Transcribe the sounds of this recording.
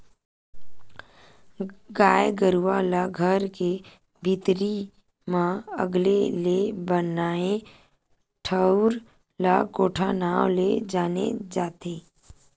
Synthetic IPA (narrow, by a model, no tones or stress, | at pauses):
ɡaːjɡəɾuʋalaɡʱəɾke | bʱɪt̪ɾi | mãə̰ɡlelebənaːe | ʈʰəʊɾ | lakoːʈʰanaːwled͡ʒaːnḛd͡ʒaːt̪eː